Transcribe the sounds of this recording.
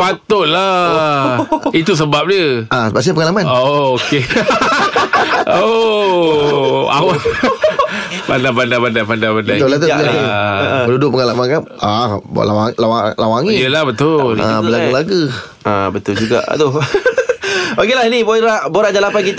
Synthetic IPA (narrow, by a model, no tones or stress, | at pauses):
pat̪ʊʔla | it̪us̬əbap̚dəʔasəbaʔs̬aapəŋalamanooke | o | a̰waʔ | pandapandabandapandapandat̪ʊlat̪obt̪əəndudʊʔpəŋalamankan | ab̰lawaŋlawalawaŋijəlahbət̪ʊla̰əlaɡulaɡu | ʔabət̪ʊld͡ʒuɡa̰ʔt̪ʊh | bakilahiniboɾaʔboɾaʔdalapankit̪